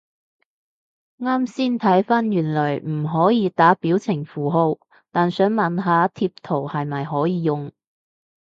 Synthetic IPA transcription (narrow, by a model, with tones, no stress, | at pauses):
ŋaː˥msiː˥nt̪ʰɐ˨˥jfaː˥njyː˨˩nlœː˨˩jm̩˨˩ɦɔː˨˥jiː˨˧t̪aː˨˥piː˨˥wt͡sʰɪ˨˩ŋfuː˨ɦo˧w | t̪aː˨nsœː˨˥ŋmɐ˨nɦaː˨˥t̪ʰiː˧p̚t̪ʰo˨˩whɐ˨jmɐ˨jɦɔː˨˥jiː˨˧jʊ˨ŋ